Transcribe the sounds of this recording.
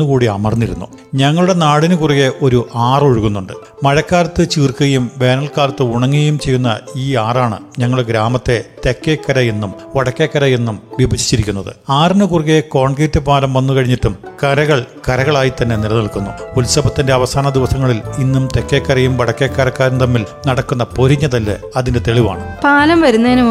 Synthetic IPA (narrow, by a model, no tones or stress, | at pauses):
nːukuːɽiɐmɐrnːiɾṵnːṵ | ɲɐŋːɐɭuɽe̞naːɽinɨkuriɣe̞ʔo̞ɾuʔaːroɻuɣunːuɳɖɨ̰ | mɐɻɐkːaːlɐt̪ːɨt͡ɕiːrkɨɣɐjumʋe̞ːnɐlkaːlɐt̪ːɨuɳɐŋːiɣɐjumt͡ɕe̞jːunːɐiːaːraːɳɨ̰ɲɐŋːɐɭuɽeɡɾaːmɐt̪ːe̞t̪e̞kːekːɐɾɐjenːum | ʋɐɽɐkːekːɐɾɐjenːumʋibʱɐd͡ʑi̥t͡ɕːiɾikʲːunːɐðɨ̰aːrnɨkuriɣeko̞ːɳɡiːtːɨpaːlɐmʋɐnːukɐɻiɲːiʈːumkɐɾɐɣɐɭkɐɾɐɣɐɭaːjit̪ɐnːe̞nilɐniɭkunːṵulsɐbɐt̪ːinde̞ɐʋɐsaːnɐd̪iʋɐsɐŋːɐɭilinːumt̪e̞kːe̞ːkːɐɾɐjumʋɐɽɐkːekːaːɾɐkːaːɾɐnt̪ɐmːilnɐɽɐkːunːɐpoɾiɲːɐðɐlːɨ̰ɐðinde̞t̪e̞ɭiʋa̰ːɳɨpaːlɐmʋɐɾunːɐðinu